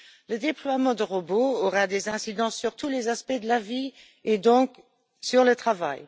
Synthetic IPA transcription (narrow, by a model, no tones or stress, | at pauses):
ləd̪eplwamɑ̃d̪əʁoboːʁad̪ezɛ̃sid̪ɑ̃sːyʁt̪ulezaspɛd̪əlavi | ed̪ɔ̃k | syʁlət̪χava̰j